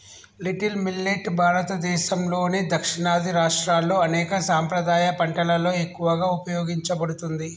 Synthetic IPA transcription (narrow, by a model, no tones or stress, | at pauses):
liʈilmilːeʈːbʱaːɾɐt̪ɐd̪ɛːʃɐmlo̞ːnid̪ɐkʂiɳaːd̪ʱiɾaːʂʈɾaːlːo̞ːɐnɛːkɐsaːmpɾɐd̪aːjɐpɐɳʈɐlɐlo̞ːe̞kːuʋɐɡaːupɐjoːɡiɲt͡ʃɐbɐɽut̪und̪i